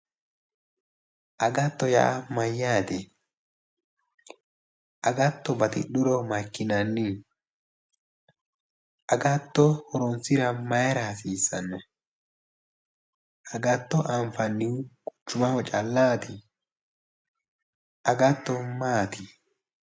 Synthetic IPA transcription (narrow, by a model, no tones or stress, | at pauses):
ʔɐɡɐt̪ːɔja̰ːmɐjːaːt̪ɛ | ʔɐɡɐt̪ːɔbɐt̪ɪ̰ɗʊɾɔmɐkːɪnɐnːɪ | ʔɐɡat̪ːɔhɔɾɔnsɪɾɐmɐjɛɾaɐsiːsːɐ̰nːɔ | ɐɡɐt̪ːɔʔaɱfɐnːɪkʼʊ̥t͡ʃːʊmɐfɔt͡ʃʼɐlːaːt̪ɪ | ʔɐɡɐt̪ːɔmaːt̪ɪ